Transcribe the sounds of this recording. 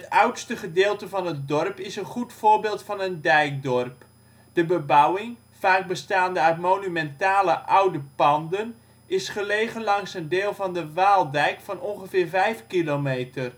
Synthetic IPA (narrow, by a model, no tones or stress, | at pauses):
ɦətʌwtstəχədɪːlˠtəvɑnɦət̚dɔrpɪsənχutfʊːrbeːlˠtfɑnəndɛjk̚dɔrp | d̥əbəbʌwɪŋ | faːɡ̚bəstaːndəœɥtmoːnymɛntaːləʔʌwdəpɑndən | ɪsχəlejχənlɑŋsəndeːlˠvɑndəʋaːlˠdɛjkfɑnɔnχəvɪːrvɛjfkilomejtər